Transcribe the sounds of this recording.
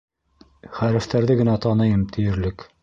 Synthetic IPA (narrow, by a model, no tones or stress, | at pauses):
χæɾɘ̆ft̪æɾðɘɡɘ̆næt̪ɑnɤjɤmt̪ʰɘ̆jɘ̆ɾlɘk